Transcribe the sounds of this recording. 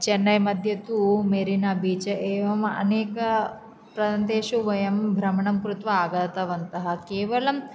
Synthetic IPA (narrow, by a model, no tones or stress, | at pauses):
t͡ʃenːɐjmɐd̪ʱjɐt̪umeɾinabiːt͡ʃɐʔeːʋɐmɐ̰neːkɐ | pɾɐdɐnd̪eːʃuʋɐjɐmbʱɾɐmɐɳɐmkɾut̪ʋɐaːɡɐt̪ɐʋɐnt̪ɐɦɐ̆keːʋɐlɐm